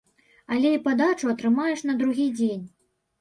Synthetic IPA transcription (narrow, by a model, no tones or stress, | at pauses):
ɐlʲɛipad̪at͡ʂuɐt̪ɾɨmajɛʂnɐd̪ɾuɣʲid͡zʲenʲ